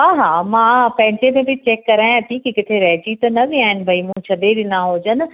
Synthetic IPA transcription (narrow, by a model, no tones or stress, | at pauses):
ɦaːɦaːmãːpɐ̃ɦɪ̃ɲd͡ʑemẽbɪt͡ɕeːkːɐɾaːj̃t̪ʰikikɪt̪ʰeɾɛːd͡ʑiːt̪ɐnɐʋiaːɦɪnɪ̆bʱɐimũt͡ɕʰɐɗeɗɪnaɦoːd͡ʑənɪ̆